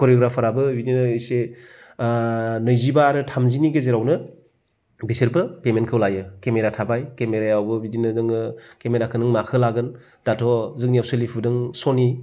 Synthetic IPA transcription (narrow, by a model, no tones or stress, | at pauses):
kɔɾjoɡɾapʰaɾabɯbidinɯːjse | nɯjzibaɾɯtʰamziniɡezeɾawnɯ | bisiɾbɯpemenkʰɯwlajɯkemeɾatʰabajkemeɾajawbɯbidinɯnɯŋɯkemeɾakʰɯnɯŋmakʰɯlaɡɯn | d̥atʰɔzɯŋnijawsɯlipʰudɯŋsɔni